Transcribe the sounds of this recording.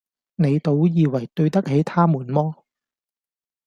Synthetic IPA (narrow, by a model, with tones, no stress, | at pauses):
ne˨˧jt̪o˨˥wjiː˨˧wɐ˨˩jt̪ɵ˧ɥt̪ɐ˥k̚he˨˥jt̪ʰaː˥muː˨˩nmɔː˥